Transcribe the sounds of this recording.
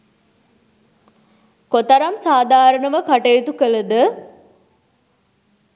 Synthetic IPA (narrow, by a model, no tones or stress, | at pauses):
kot̪aɾamsaːd̪ʱaːɾəɳəʋəkaʈejt̪ukələd̪ə